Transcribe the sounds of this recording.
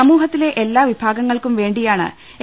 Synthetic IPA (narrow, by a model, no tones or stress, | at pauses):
ɐmuːɦɐt̪ːile̞ʔelːaːʋibʱaːɡɐŋːɐɭkumʋe̞ːɳɖijaːɳɨ̰ | e